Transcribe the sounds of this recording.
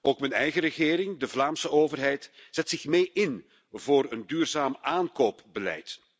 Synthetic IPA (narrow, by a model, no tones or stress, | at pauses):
oːkmənɛjɣəɾəɣɪːɾɪŋdəvlaːmsəoːvərɦɛjtz̥ɛtsɪxmeːjʔɪn | voːɾəndyːrzaːmaːnkoːpbəlɛ̰jt